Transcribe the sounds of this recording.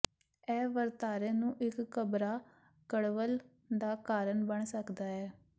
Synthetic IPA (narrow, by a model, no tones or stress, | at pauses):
ɛːʋəɾt̪aːɾeːnũːʔɪkːəbɾaː | kəɽʋəl | d̪aːkaːɾəɳbəɳsəkd̪aːɛː